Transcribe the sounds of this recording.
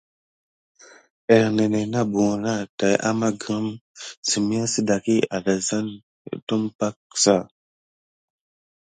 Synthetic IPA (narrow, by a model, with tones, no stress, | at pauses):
e˨ɾne˨ne˨na˦bu˨na˦ta˨jʔa̰˦ma˦ɡə˦msi˨mi˦a˦si˦da˨ki˦a˨da˨za˦n̰˨ | to˦mpa˦k̚sa˦˨